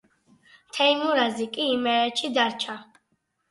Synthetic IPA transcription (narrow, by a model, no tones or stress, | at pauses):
t̪ʰɛimuɾazikʼiːmɛɾɛt͡ʃʰid̪aɾt͡ʃʰa